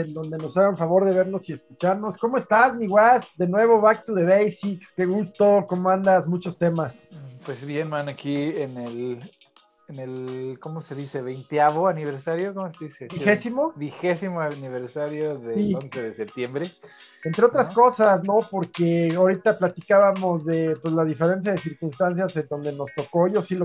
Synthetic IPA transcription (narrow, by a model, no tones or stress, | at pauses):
end̪o̞nd̪e̞no̞saɣauɱfaβo̞ɾðe̞β̞e̞ɾno̞sie̞skut͡ʃaɾno̞sko̞moe̞st̪azmiɣwasd̪e̞nwe̞β̞o̞βak̚t̪uð̞e̞βejsiksk̪eɣust̪o̞ko̞moãnd̪azmut͡ʃo̞st̪e̞mas | pwezβjenmanakienel | enelkomoseðiseβejnt̪jaβoaniβeɾsaɾjokomoseðisebixesimo̞bixesimoaniβeɾsaɾjoðesilonseðesep̚t̪je̞mbɾeent̪ɾe̞o̞t̪ɾasko̞sasno̞po̞ɾkeaoɾit̪aplat̪ikaβamo̞zðe̞pwezlaðife̞ɾe̞ns̬jað̞es̬iɾkunst̪ans̬jazend̪o̞nd̪e̞no̞st̪o̞ko̞josilo